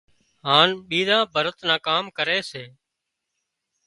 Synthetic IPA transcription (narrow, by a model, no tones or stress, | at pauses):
ɦaːnɓiːd̪ãːbʱəɾət̪nãːkaːmkəɾeːseː